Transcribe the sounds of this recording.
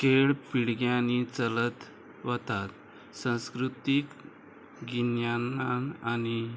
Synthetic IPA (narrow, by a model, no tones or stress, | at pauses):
keɭpiɽɡjanit͡sələt̪ | ʋət̪at̪ | sə̃skɾut̪ik | ɡinjanaañi